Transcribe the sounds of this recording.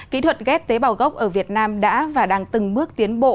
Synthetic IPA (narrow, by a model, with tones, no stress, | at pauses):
kḭ˧˥t̪ʰwə˨˩t̚ɣɛ˦˥p̚t̪e˨˦ɓaː˨˩wɣə˦˥wk͡p̚ʔəː˧˩vi˨˩ət̚naː˧mɗa̰ː˧˥vaː˨˩ɗaː˧ŋt̪ɨ˨˩ŋmɨ˦˥ək̚t̪i˨˦ənɓo̰˧˨